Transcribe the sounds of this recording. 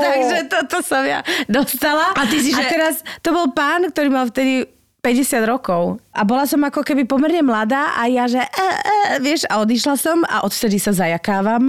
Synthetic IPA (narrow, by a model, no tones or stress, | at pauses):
t̪aɡʒɛt̪ɔt̪ɔsɔmja̰d̪ɔst̪alaat̪is̬iʒɛt̪ɛɾast̪ɔbɔlpaːnk̚t̪ɔɾiːmalft̪ɛd̪i | pɛɟɛsɪad̪ɾɔkɔʊʔabɔlasɔmakɔkɛbipɔmɛɾɲɛmlad̪aːʔajaʒɛʔɛɛʋɪɛʃaɔd̪iʃlasɔma̰ʔɔt̪ft̪ɛd̪isazajakaːʋam